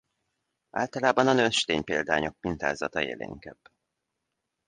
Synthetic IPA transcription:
aːlt̪ɒlaːbɒnɒnønʃt̪eːɲpeːld̪aːɲo̞k̚pint̪a̰ːzɒt̪ɒjḛːlḛːŋkɛb̥

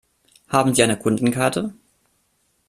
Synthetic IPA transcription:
haːbm̩ziːʔaɪnəkʰʊndn̩kʰaɐtʰə

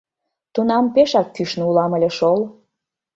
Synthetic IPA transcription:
t̪unɑmpeʃɑkːyʃneulɑməlʲeʃol

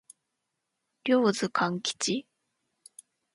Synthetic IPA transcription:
ɾʲo̞ːzɨkʰãŋkʲi̥t͡ɕi

